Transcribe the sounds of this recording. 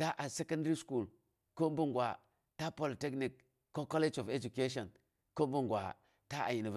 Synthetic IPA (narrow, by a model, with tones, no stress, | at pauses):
ta˦ʔa˨se˦ka˦ndɾi˦sku˦˨l | ko˦mbu˦ŋɡʷwa̰˨ | ta˦po˦lte˦kni˨kː | o˦ko˦le˦d͡ʒo˨ve˦d͡ʒu˨ke˦ʃo˨n | ko˦mbu˦ŋɡwa̰˨ | ta˦ʔa̰˨ji˨ni˨v